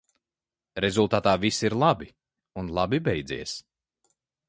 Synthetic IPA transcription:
ɾɛzulˠt̪aːt̪aːvisiɾlˠabi | unlˠabibɛjd̪zḭɛs

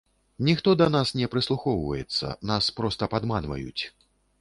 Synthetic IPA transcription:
nʲixt̪ɔd̪ɐnasnʲɛpɾɨslˠuxɔwvɐ̰jɛt̪sːɐ̰naspɾɔst̪ɐpad̪manvɐ̰jṵt͡sʲ

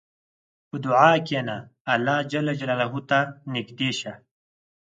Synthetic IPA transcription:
pud̪uʕaːkenaːlːaːd͡ʑɐlːɐd͡ʑɐlaːlaɦut̪anikd̪eːɕa

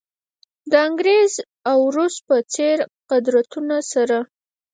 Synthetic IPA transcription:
d̪əaŋɡɾez | awɾus̚pət͡seɾqad̪ɾat̪unasaɾa

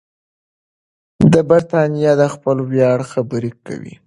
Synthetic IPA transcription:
d̪əbaɾt̪ɑnijɑd̪əxpəlwjɑɽxabəɾika̰wḭ

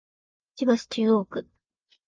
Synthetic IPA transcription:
t͡ɕibasɨ̥t͡ɕɨːoːkɯ

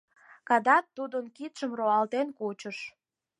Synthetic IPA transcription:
kɑd̪ɑt̪ːud̪ənkit̪ʃəmroɑlt̪enkut͡ɕəʃ

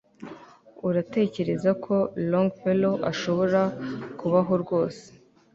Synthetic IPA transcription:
uɾate̞ːce̞ɾe̞zakʰo̞loŋɡpeloʔaʃo̞βo̞ɾakuβaɦo̞ɾɡo̞ːse̥

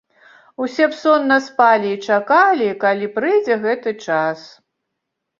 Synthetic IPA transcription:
usʲɛpsɔnːɐspalʲiːt͡ʂakalʲikalʲipɾɨjd͡zʲɛɣɛt̪ɨt͡ʂas

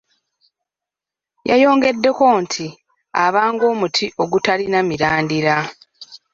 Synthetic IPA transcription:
jajo̞ːŋɡe̞dːe̞ko̞ntʰi | aβaːŋɡo̞ːmutʰiʔo̞ɡutalinamiɾaːndiɾa

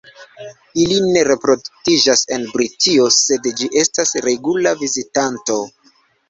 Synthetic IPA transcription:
iline̞ɾe̞pɾo̞duktid͡ʒase̞nbɾitʰio̞se̞dd͡ʒiʔe̞stasɾe̞ɡulavizitanto̞

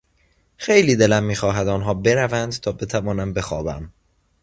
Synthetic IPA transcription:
xe̞jliːd̪e̞læmːiːxɒːɦæd̪ɒːnɦɒːbe̞ɾævænd̪t̪ʰɒːbe̞t̪ʰævɒːnæm̚be̞xɒːbæ̰m

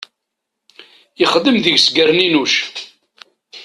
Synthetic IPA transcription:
ɪχəðːəmðəʝsɡəɾninuʃ

